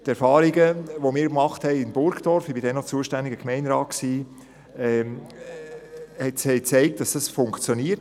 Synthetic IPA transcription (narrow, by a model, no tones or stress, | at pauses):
tɛɾfɑːɾiɡəʋomiːɾkmɑχthɛɪɪnbʊɾkd̥ɔɾfibɪdɛnɔt͡suəʃtændɪɡəkmɛɪnɾɑːt̚ksiː | ɛ | hɛthɛɪt͡sɛɪk̚t̚d̥ɑsd̥ɑsfʊŋkt͡sjoniət